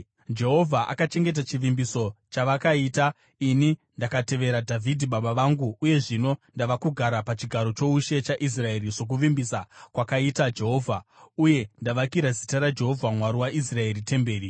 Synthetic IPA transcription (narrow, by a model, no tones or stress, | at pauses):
d͡ʒe̞ɦo̞vʱaʔa̰kat͡ʃe̞ŋɡe̞t̬at͡ʃiʋimbiso̞t͡ʃaʋakaiːta | inindakate̞ʋe̞ɾadʱavʱidʱiɓaɓaʋaŋɡuːje̞ʐino̞ndaʋakuɡʱaɾapat͡ʃiɡʱaɾo̞t͡ʃo̞uʃe̞t͡ʃaʔis̬rae̞ɾiʐo̞k̬uʋimbisakwakaitad͡ʒe̞ɦo̞ːvʱauje̞ndaʋakiɾazitaɾad͡ʒe̞ɦo̞vʱamwaɾiwaʔis̬rae̞ɾite̞mbe̞ːɾi